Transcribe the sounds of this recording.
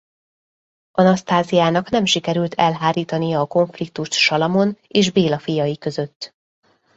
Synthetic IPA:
ɒnɒst̪aːzijaːnɒkn̪ɛmʃikɛɾylt̪ʰɛlɦaːɾiːt̪ɒnijɒːko̞ɱflik̚t̪uʃt̪ʃɒlɒmo̞neːʒbeːlɒfijɒjikø̞zø̞t̪ː

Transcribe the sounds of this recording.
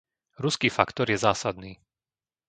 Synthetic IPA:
ɾuskiːfakt̪ɔɾjɛzaːsad̪niː

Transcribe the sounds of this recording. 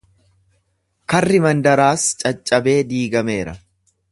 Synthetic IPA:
kɐrːɪmɐnd̪ɐɾaːst͡ʃʼɐt͡ʃʼːɐbe̞ːd̪iːɡɐme̞ːɾɐ

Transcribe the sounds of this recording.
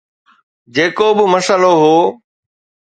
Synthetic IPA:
d͡ʑeːkobɪmɐsəloɦoː

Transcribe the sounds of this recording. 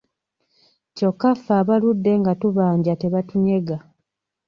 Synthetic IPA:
co̞kːafaːβaludːe̞ŋɡatuβaːɲɟate̞βatuɲe̞ɡa

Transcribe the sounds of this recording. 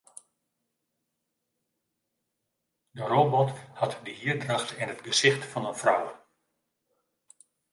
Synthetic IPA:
dəroːbɔthɑtdəhiərdraχtɪnɦədɡəsɪχtfɑnənfrɔ̰w

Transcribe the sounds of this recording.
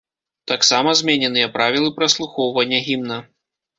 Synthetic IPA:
t̪aksamɐzʲmʲɛnʲɛnɨjɐpɾavʲilˠɨpɾɐslˠuxɔwvɐnʲːɛɣʲimnɐ

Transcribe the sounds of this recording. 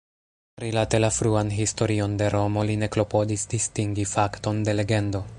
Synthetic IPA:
ɾilate̞lafɾuanɦisto̞ɾio̞nde̞ɾo̞mo̞line̞klo̞po̞disdistiŋɡifakto̞nde̞le̞ɡe̞ndo̞

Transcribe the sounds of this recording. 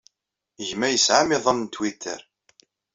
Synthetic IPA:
ʝmæjəsʕamɪðˤɑnnt̪wit̪ːə̰ɾ

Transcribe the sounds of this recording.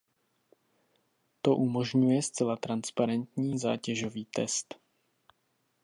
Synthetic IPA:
t̪o̞ʔumo̞ʒɲujɛst͡sɛlat̪ɾanspaɾɛnt̪ɲiːza̰ːcɛʒo̞viːt̪ɛ̰st̪

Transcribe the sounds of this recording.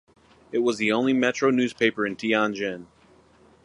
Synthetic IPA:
ɨt̚wʌzðiõʊ̃nlimɛt͡ʃɹ̥oʊnʉz̥pʰeɪpə˞ɨ̃ntʰiɑ̃nd͡ʒɪ̃n

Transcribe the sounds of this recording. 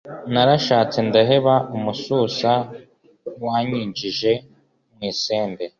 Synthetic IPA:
naɾaʃaːt͡sendaɦe̞βaʔumusuːsa | waːɲiːɲd͡ʒiʒe̞ | mŋiːseːnde

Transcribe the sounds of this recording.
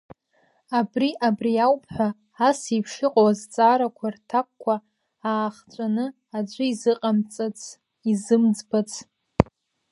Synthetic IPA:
abriʔabriawpʰʼħʷaː | sipʰʂɨqʼawazt͡sʼaːɾakʷʰartʰakʷːa | aːχt͡ʃʷʼanɨ | ad͡ʒʷʼʊizɨqʼamt͡sʼat͡sʰʼ | izɨmd͡zbat͡sʰʼ

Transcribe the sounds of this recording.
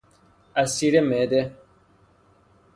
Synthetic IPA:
asiɾemɛdɛ

